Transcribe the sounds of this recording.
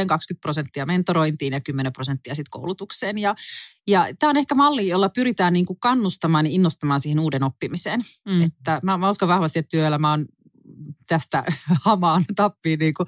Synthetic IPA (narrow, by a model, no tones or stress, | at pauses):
eŋkɑkskyt̪̚prosent̪ːiɑment̪oɾoint̪iːnjɑkymːenemprosent̪ːiɑsit̪ko̰wlut̪ukseːnjɑ | jɑt̪æːonehkæmɑlːijolːɑpyɾit̪æːnniːŋkukɑnːust̪ɑmɑːninːost̪ɑmɑːnsiːhenuːdenopːimiseːnet̪ːæmæmæoskɑʋʋɑhʋɑst̪iet̪t̪yøelːæmæon | t̪æst̪æhɑmɑːnt̪ɑpːiːniːŋku